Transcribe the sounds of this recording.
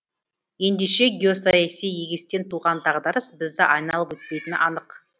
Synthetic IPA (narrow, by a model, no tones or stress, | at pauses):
je̞nd̪e̞ʃe̞ɡʲio̞sajasijːeɡʲest̪e̞nt̪ʰuʁɑnt̪ɑʁd̪ɑɾəsbɪzd̪ɪʔɑjnɑlˠəpwɵt̪̚pe̞jt̪ɪnʔɑnəq